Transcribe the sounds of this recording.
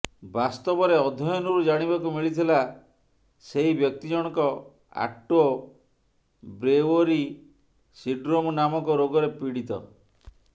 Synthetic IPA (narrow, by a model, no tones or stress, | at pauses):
bast̪ɔbɔɾeɔd̪ʱɔjɔnɔɾud͡ʒaɽ̃ibakumiɭit̪ʰila | seɦibjɔk̚t̪id͡ʒɔɽ̃ɔkɔ | a̰ʈo | bɾewɔɾi | siɖɾomɔnamɔkɔɾoɡɔɾepiɽit̪ɔ̰